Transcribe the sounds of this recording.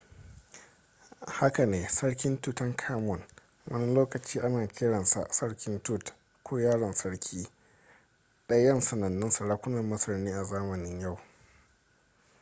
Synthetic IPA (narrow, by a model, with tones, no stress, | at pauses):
ha˦ka˨neː˨sɐ˦ɽkʲɪ˦ntu˦˨tɐ˦ŋkʰaː˦mɔ˨n | wʔɐ˦ni˦loː˦kɐ˨t͡ʃiː˦ʔa˦naː˨kʲɪ˦ɽɐ˨nsa̰˨ʔsɐ˦ɽkʲɪ˦ntu˦˨t | kʷoː˦jaː˦ɽɐ˨nsɐ˦ɽkʲʰiː˦ | ɗɐ˦jjːɐ˦nsɐ˨nɐ˨nːɪ˦nsɐ˨ɽaː˦kʷʊ˦nɐ˨mmɐ˦sɐ˨ɾniː˦ʔa˨zaː˦mɐ˨nɪ˦ɲja˦˨w